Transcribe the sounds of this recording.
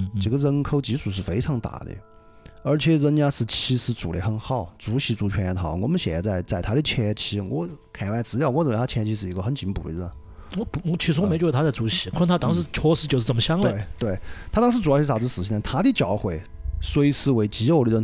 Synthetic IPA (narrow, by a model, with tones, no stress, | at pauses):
ʈ͡ʂɤ˨˩ɡə˧ɻə˥nkʰo˥ʊt͡ɕi˧˥ʂu˨˩ʂ̬ɻ̩˥˩fe˥ɪʈ͡ʂʰɑ˧˥ŋt̪a̰˥˨˩d̪ə̰˧ | ə˞˧˥t͡ɕʰɛ˧˥˧ɻə˧˥nt͡ɕja˥ʂɻ̩˥˩t͡ɕʰi˧˥ʂɻ̩˧˥t͡sṵ˨˩le˧˥xə˧˩nxɑ˥˩ʊt͡su˧˥ɕi˧˥t͡su˧˥t͡ɕʰɥɛ˥nɛ˧˥nt̪ʰɑ˧˥ʊ˧wɔ̰˨˩mə˧˦nɕjɛ̰˨˩ɛ̰˧˥t͡sa˥˧ɪt͡sa˥˩ɪt̪ʰa˥i˧t͡ɕʰɛ˥ɛ˧˥t͡ɕʰi˧˥wɔ̰˧˥kʰa˨˩ɪwa˧˥˩ɪt͡sɹ̩˧˥ljɑ˥˧ʊwɔ˧˥˩ə˧˩˧t͡ɕʰɛ˥˧˥t͡ɕʰi˥ʂɻ̩˥˩i˧˥ɡə˧xə˧˥nt͡ɕi˧˥ŋpṵ˨˩ə̰˧˩ə˧˩n | wɔ˧˥pɔ˧˥t͡ɕʰi˧˥ʂu˧˥˧me˧˥t͡ɕw̪ʰa˥t͡st͡su˧˥ɕi˧˥kʰt̪ʰa˥t̪ɑ˥ŋʂɻ̩˧˥t͡ɕʰɔ˥ʂɻ̩˧˥t͡ɕjo˥˧ʊʂ̩˥˩t͡sə˨˩mə˦ɕjɑ˥ŋləe˥˩ɪt̪we˥˩ɪt̪ʰa˥ɑ˥ŋʂɻ̩˧˥t͡su˨˩˥ɕʰa˧˩˧sɹ̩ʰ˨˩i˥˩na˧˩t̪ʰa˥d̪i˧t͡ɕjɑ˧˩˥ʊxwe˨˩ɪ | swɔ˧˥i˧˩sɹ̩˥˧˩we˧˥˩ɪt͡ɕi˧˥o˧˩ʊli˧˥˩ə˥˧